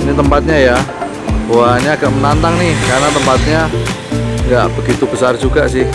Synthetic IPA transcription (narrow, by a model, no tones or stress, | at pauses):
nit̪əmpat̪̚ɲaja | oaɲaːɡaʔmənant̪aŋnɪhkarnat̪əmpat̪̚ɲa | ŋɡaʔb̥əɡit̪ubəsard͡ʒuɡaʔsɪh